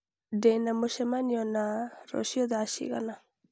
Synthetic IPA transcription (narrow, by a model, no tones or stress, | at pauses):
dɛnamoʃɛmaniɔnaɾɔ̰ʃiɔðaʃḭɣa̰na